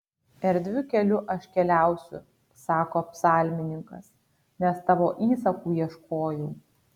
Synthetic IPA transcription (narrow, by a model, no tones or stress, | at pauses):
ɛɾd̪ʲʋʲɪkʲɛlʲʊʔɐʃkʲɛlʲæˑʊsʲʊ̰ | sɑːkoːɐpsɑːlʲmʲɪnʲɪŋkɐs | nʲɛst̪ɑʋoːʔiːsɐkuːjiɛʃkoːjɛʊ